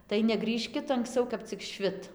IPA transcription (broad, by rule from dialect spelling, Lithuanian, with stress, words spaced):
tɐɪ nʲɛˈɡrʲiːʃʲkʲɪt ɐŋksˈt͡sɐʊ kɐp t͡sʲɪk ˈʃʲʋʲɪt